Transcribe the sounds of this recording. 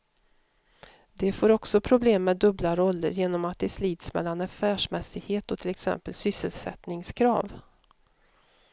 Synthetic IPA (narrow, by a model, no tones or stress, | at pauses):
d̪ɛfoːɾɔksɔpʰɾʊbleːmːɛːd̪ːɵblaɾɔlːə̰ɾjeːnɔmat̪̚d̪ɛsliːd̪smɛ̰lːanaɾfæːʂmɛsɪɡheːt̪ɔt̪ʰɪlɛksɛ̰mpəlsʏsːəlsɛ̰t̪nɪŋskʰɾɑ̰ːv